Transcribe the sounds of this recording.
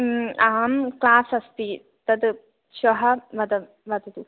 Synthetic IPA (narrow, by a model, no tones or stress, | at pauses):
aːmklaːsɐst̪i | t̪ɐd̪ | ʃɐɦɐʋɐd̪ɐ | ʋɐd̪ɐt̪u